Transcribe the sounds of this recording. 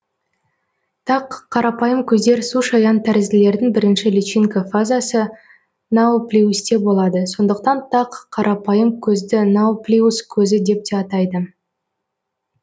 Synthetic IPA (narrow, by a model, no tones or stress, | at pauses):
t̪ʰɑqʰːɑɾɑpɑjəmkʲʰɵzd̪e̞ɾsuʃɑjɑnt̪ʰæɾɪzɪle̞ɾd̪ɪŋbɪɾɪnʃɪlit͡ʃiŋkafazasə | nɑplʲiust̪e̞bo̞lˠɑd̪əso̞nd̪əq̚t̪ɑnt̪ʰɑqʰːɑɾʔɑpɑjəmkʲʰɵzd̪ɪnawplʲiuskʲʰɵzɪd̪e̞p̚t̪eɑt̪ɑjd̪ə